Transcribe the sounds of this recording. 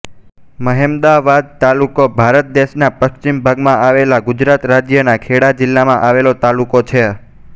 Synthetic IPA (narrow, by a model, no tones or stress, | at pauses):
məɦemd̪aʋad̪̚t̪alukobʱaɾət̪̚d̪eʃnapəʃt͡ʃimbʱaɡmãʔaʋelaɡud͡ʒɾat̪ɾad͡ʒjənakʰeɽad͡ʒɪlːamãʔaʋelot̪alukot͡ʃʰe